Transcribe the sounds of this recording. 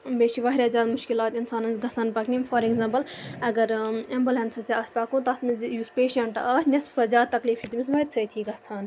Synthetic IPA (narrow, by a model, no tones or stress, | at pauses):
beːʃiʋɐːɦiɾɐːzʲjaːd̪mʊʃkilaːt̪insaːnɐnzɡɐsaːnpɐknimfɐɾeɡzãːmpɐlɐɡɐɾɐmbɐlɦɐ̃nsʰɐst̪ʲeɐːspʲaːkũt̪ɐsnjuːspeːʃɐɳʈɐ̰ʔaːsnʲɐspɐzʲaːd̪̚t̪ɐkliːft͡ʃʰit̪imʲis̬ʋɐt̪ʲt͡sʰɐjt̪ʰiɡɐsʰaːn